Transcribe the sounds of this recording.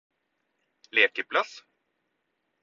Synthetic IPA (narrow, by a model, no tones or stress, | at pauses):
leːkəpʰlas